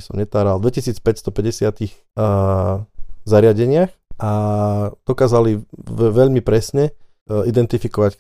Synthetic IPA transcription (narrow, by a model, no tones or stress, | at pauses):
sɔmɲɛt̪aːɾald̪ʋɛcisiːt͡spɛcst̪ɔpɛɟɛsɪat̪iɣ | zaɾɪaɟɛɲɪaxad̪̥ɔkaːzaliʋɛʎmipɾɛsɲɛ | id̪ɛnt̪ifikɔʋac